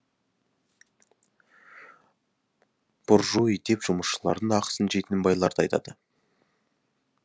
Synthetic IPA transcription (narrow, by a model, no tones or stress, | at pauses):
b̥ʊɾʒuijd̪e̞pʒ̥ʊməsʃəlˠɑ̰ɾd̪əɴɑqə̥sənʒet̪ɪnɪbɑjlˠɑɾd̪əɑjt̪ɑ̰d̪ə